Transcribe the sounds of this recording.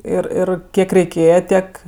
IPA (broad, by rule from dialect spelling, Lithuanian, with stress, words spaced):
ˈɪr ˈɪr ˈkʲiɛk rʲɛɪˈkʲeːjɛ ˈtʲiɛk